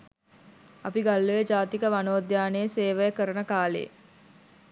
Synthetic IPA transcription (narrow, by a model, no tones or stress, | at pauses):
apiɡalːujed͡ʒaːt̪ikəʋanoːd̪jaːnejeseːʋəjəkəɾənəkaːlḛ